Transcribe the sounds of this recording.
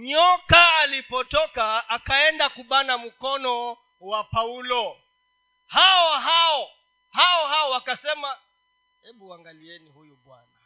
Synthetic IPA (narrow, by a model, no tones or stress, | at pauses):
ɲɔkaːlipɔtɔkaːkaɛndakuɓanam̩kɔnɔ | wapaulɔ | haɔɦaɔ | haɔɦaɔwakasɛma | hɛɓuaŋɡaliɛnihujuɓwa̰na